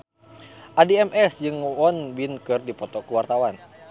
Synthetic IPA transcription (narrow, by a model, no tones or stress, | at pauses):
ʔadiɛmʔɛsd͡ʒɨŋɔnbinkɨrdipɔt̪ɔkuwart̪awan